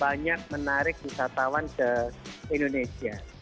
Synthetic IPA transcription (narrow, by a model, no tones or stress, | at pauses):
baɲak̚mənaɾɪk̚wisat̪awankəindonesia